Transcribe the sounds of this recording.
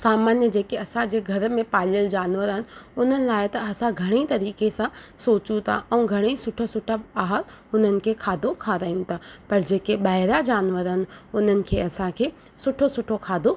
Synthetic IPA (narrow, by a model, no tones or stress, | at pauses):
saːmaːnjəd͡ʑeːkeɐsãd͡ʑeːɡʱɐɾmẽpaːliəld͡ʑaːnʋəɾɦɪnɪ̆ʊn̤ənɪ̆laːɪt̪ɐɐsãɡʱɐɽ̃et̪ɐɾiːkesãsoːt͡ɕũt̪ʰa̰ʔɛ̃ːɡʱɐɽ̃esʊʈʰosʊʈʰaaːɦəɾ | ʊn̤ənɪ̆kʰekʰaːd̪ʱokʰaɾaːijũt̪ʰapɐɾd͡ʑeːkeɓaːɦɪɾad͡ʑaːnʋəɾɦɪnɪ̆ʊn̤ənɪ̆kʰeɐsãkʰeː | sʊʈʰosʊʈʰokʰaːd̪ʱo